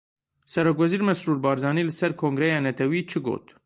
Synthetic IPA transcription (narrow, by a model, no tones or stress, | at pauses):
sɛɾɛkvɛziːɾmɛsɾuɾbɑːɾzɑniləsɛɾkʰoŋɡɾɛjɑnɛt̪ʰɛwit͡ʃʰəɡo̰t̪